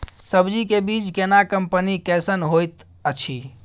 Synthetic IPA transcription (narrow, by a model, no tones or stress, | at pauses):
səbd͡ʒikebit͡ʃkenakəmpənikɛsənɦojt̪ | ət͡ʃʰi